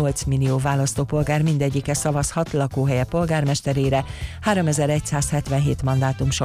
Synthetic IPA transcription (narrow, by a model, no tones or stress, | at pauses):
o̞lt̪smilioːvaːlɒst̪oːpo̞lɡaːrmind̪ɛɟːikɛsɒvɒshɒt̪lɒkoːɦɛjɛpo̞lɡaːrmɛʃt̪ɛɾeːɾɛhaːɾo̞mɛzɛɾɛcsaːshɛt̪ʋɛnɦeːt̪mɒnd̪aːt̪umʃo